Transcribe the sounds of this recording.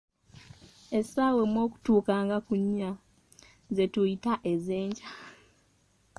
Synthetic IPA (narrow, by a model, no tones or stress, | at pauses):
e̞saːwemwo̞ːku̥tuːkaːŋɡakuɲːa | zetuitaʔe̞ze̞ːɲɟḁ